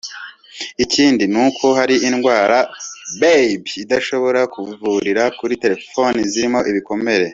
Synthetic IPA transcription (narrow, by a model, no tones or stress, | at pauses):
iciːndinukʰo̞ɦaɾiʔinɡwaːɾabebidaʃo̞βo̞ɾakʰuvuɾiɾakuɾite̞ɾe̞fo̞niziɾimo̞ʔiβikome̞ɾe̞